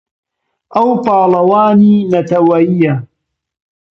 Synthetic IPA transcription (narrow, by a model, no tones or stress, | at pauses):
ʔawpɑːlɑwaːniːnat̪awaɪja